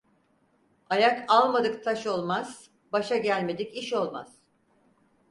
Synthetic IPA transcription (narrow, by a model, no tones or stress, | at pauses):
ajakalˠmad̪ɯkt̪ʰaʃo̞lˠmaz̥ | baʃaɟælʲme̞d̪iciʃo̞lˠmaz̥